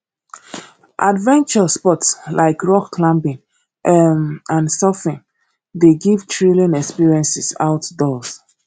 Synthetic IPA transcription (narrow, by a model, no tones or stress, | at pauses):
ʔadvɛ̃nt͡ʃəspɔtslʔaɪkɹɔkːlãmbĩŋ | ʔmãnsɔfĩŋ | deɡivtʰɹilĩnɛkspiɹiɛ̃nsisa̰ʊtdɔs